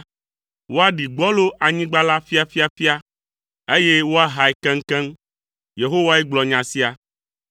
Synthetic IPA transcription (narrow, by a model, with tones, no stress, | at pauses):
wo˦a˦ɖi˨ɡ͡bɔ˦lo˦ʔʔa˨ɲĩ˦ɡ͡ba˦la˦fi˦a˨fi˦a˨fi˦a˦ | e˦je˦wo˦a˦ɦa˨ɛ˨kɛ̃˦ŋ̩˦kɛ̃˦m | je˨ɦo˦wa˦e˦ɡ͡blɔ˨ɲã˨si˦a˨